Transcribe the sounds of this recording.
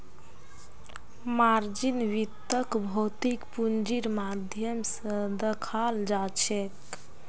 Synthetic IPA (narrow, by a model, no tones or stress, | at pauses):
maɾd͡ʒinʋit̪ːəkbʱot̪ikpund͡ʒiɾmad̪ʱjəmsə̃d̪əkʰald͡ʒat͡ʃʰɛk